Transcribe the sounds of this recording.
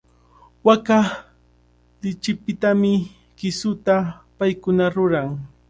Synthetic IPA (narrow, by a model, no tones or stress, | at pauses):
waka | lɪt͡ʃɪpɪt̪amɪ | kɪsʊt̪apajkʊnaɾʊɾaŋ